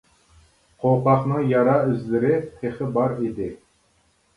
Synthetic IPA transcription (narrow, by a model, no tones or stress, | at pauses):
qʰowqɑχnɨŋjɑɾɑyzlɪɾɪt̪ʰeχɪbɑɾid̪ɪ